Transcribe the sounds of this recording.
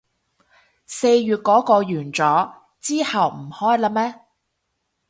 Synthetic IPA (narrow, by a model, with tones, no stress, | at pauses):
se˧jɥyː˨t̚kɔː˨˥kɔː˧jyː˨˩nt͡sɔː˨˥ | t͡siː˥hɐ˨wm̩˨˩hɔː˥jlaː˧˥mɛː˥